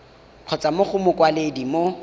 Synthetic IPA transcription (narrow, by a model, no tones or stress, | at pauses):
q͡χʰɔt͡sʼamʊχʊmʊkʼwaledimo